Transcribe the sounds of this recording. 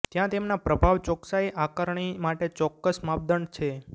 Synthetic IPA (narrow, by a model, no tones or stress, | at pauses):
t̪jãt̪emnapɾəbʱaʋt͡ʃɔksaeʔakəɾɳ̃imaʈet͡ʃɔkːəsmap̚d̪əɳt͡ʃʰe